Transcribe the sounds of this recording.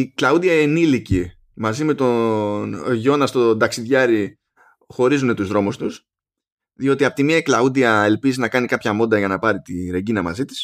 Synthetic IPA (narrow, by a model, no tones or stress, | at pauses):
iklɐud̪iɐenilici | mɐzime̞t̪o̞nʝo̞nɐst̪o̞d̪ɐksiðʝɐɾi | xo̞ɾizune̞t̪uzðɾo̞must̪us | ðio̞t̪iɐpot̪imiɐklɐud̪iɐe̞lpiziznɐkɐnikɐpçɐmo̞d̪ɐʝɐnɐpɐɾit̪iɾe̞ɟinɐmɐ̰zit̪i̥s